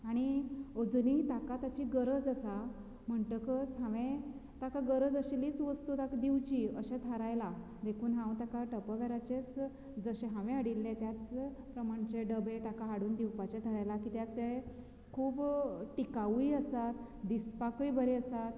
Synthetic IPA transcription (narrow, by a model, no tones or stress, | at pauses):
aɽ̃iod͡zunit̪akat̪at͡ɕiːɡəɾəd͡zəsa | m̤əɳʈəkəsɦãʋẽt̪akaɡəɾəd͡zəɕeliːt͡sʋəst̪ut̪akd̪iwt͡ɕiːəɕẽt̪ʰəɾajla | d̪ekʰuːnɦãwt̪akaʈəpəʋɛɾat͡ɕet͡s | d͡zəɕẽɦãʋẽaɽilːẽt̪jat͡spɾəmaɳt͡ɕeɖəbet̪akaɦaɽuːnd̪iwpat͡ɕet̪ʰəɾajlakiːt̪jak̚t̪ae | kʰuːbʈikaʋiəsat̪ | d̪ispakəjbəɾeəsat̪̚